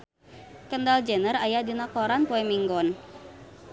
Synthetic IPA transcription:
kəndald͡ʒənərajadinakɔɾanpɔɛmiŋɡɔn

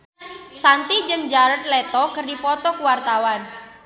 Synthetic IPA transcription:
sant̪id͡ʒɨŋd͡ʒaɾət̪̚lɛt̪ɔkərdipɔt̪ɔkuwart̪awan

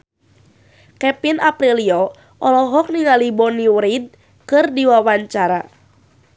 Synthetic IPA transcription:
kɛpinapɾiliɔ | ʔɔlɔɦɔk̚niŋalibɔniwɾid̚ | kɨrdiwawaɲt͡ʃaɾa

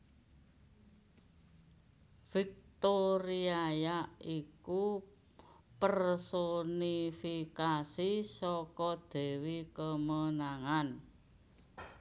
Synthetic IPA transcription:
v̥ik̚t̪oɾiajaiku | pərsonifikasisɔkɔd̪̥e̤wikəmənaŋan

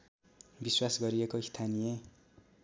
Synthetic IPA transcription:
biswasɡʌɾiekoist̪ʰanije

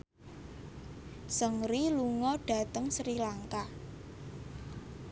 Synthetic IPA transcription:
səŋɾiluŋɔɖ̥a̤t̪əŋsɾilaŋka

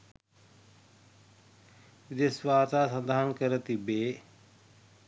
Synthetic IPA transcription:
id̪esʋaːt̪aːsənd̪aɦənkəɾət̪ibeː

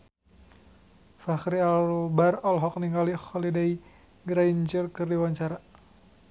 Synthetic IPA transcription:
faxɾiaobarɔlɦɔk̚niŋɡalixɔlidai | ɡɾaiɲt͡ʃərkɨrdiwaɲt͡ʃaɾa

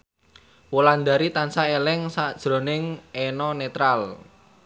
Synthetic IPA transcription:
woland̪aɾit̪ansaelɛŋsad̥ʒ̥ɾo̤nɪŋɛnɔnet̪ɾal

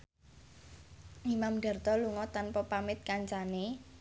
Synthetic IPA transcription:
imamɖ̥a̤rt̪ɔluŋɔt̪anpɔpamɪt̪̚kaɲt͡ʃane

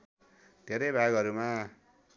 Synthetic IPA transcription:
d̪̥ʱeɾʌjbʱaɡʌɾuma

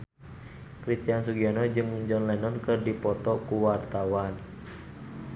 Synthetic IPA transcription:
kɾist̪iansuɡiɔnɔd͡ʒɨŋd͡ʒɔnlɛnɔnkɨrdipɔt̪ɔkuwart̪awan

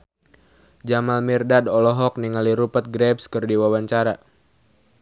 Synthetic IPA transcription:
d͡ʒamalmirdadɔlɔɦɔk̚niŋaliɾupət̪̚ɡɾɛbskərdiwawaɲt͡ʃaɾa

